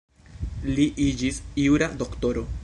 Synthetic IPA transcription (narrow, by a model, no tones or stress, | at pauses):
liʔid͡ʒisiuɾado̞kto̞ɾo̞